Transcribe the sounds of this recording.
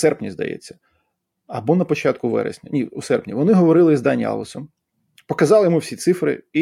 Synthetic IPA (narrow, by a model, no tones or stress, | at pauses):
sɛrpnʲizd̪ɐ̰jɛ̰t͡sʲːɐ̥ | ɐbɔnɐpɔt͡ʃɑt̪̚kʊʋɛ̰ɾɛ̰sʲnʲɐnʲiusɛrpnʲḭʋɔnɪɦɔʋɔɾɪlˠɪizd̪ɑnʲːɑ̰lˠɔ̰sɔm | pɔkɐzɑlˠɪjɔmuwsʲit̪sɪfɾɪ̰i